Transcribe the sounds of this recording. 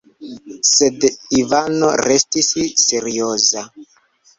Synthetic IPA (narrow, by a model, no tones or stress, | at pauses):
se̞divanoɾe̞stisseɾio̞za